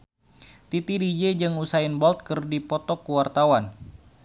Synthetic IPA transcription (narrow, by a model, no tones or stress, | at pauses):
t̪it̪idid͡ʒed͡ʒɨŋusaɪnbɔlt̪̚kɨrdipɔt̪ɔkuwart̪awan